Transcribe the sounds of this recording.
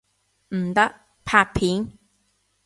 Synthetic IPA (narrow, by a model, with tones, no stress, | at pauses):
m̩˨˩t̪ɐ˦˥k̚ | pʰaː˧pʰiː˨˦˥n